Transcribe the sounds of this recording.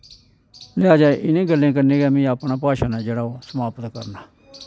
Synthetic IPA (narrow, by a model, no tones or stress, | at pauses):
lɪaːd͡ʒaːeʔɪnẽːɡəlːẽːkənẽːɡɛːmĩːaːpɳaːpaːʃaːnɛ̃ːd͡ʒeːɽaːoːsəmaːpət̪kə̰ɾnaː